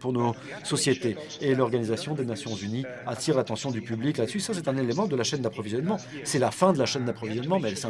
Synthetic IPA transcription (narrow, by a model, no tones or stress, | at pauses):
puʁnosɔsjet̪eː | lɔʁɡanizasjɔ̃d̪enasjɔ̃zyni | at̪iʁlat̪ɑ̃sjɔ̃d̪ypybliklad̪ə̥sysasɛt̪ɛ̃nelemɑ̃d̪əlaʃɛnd̪apχɔvizjɔnmɑ̃sɛlafɛ̃d̪əlaʃɛnd̪apχɔvizjɔnmɑ̃mɛɛlsɛ̃